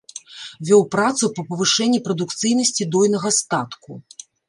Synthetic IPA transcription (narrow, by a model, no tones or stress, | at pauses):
vʲɔwpɾat̪supɐpɐvɨʂɛnʲːipɾɐd̪ukt̪sɨjnɐsʲt͡sʲid̪ɔjnɐɣɐst̪at̪ku